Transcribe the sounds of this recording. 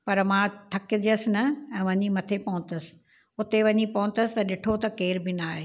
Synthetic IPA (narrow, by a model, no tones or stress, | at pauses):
pɐɾmãt̪ʰɐkɪd͡ʑəsnɐɛ̃ːʋɐɲimɐt̪ʰepɐɦʊ̃nt̪əsɪ̥̆ | ʊt̪eʋɐɲipɐɦʊ̃nt̪əsɪ̥t̪ɐɗɪʈʰot̪ɐkeːɾbɪnaːɦeː